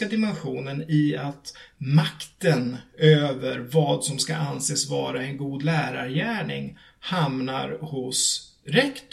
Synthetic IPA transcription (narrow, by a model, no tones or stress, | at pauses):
ad̪ɪmɛnɧuːnənɪat̪makt̪ənøːvəɾvɑːd̪sɔmska̰ʔanseːsvɑ̰ːɾaɛnɡuːd̪læːɾaɾjæːɳɪ̰ŋ | hamna̰ɾhʊs | ɾɛkt̪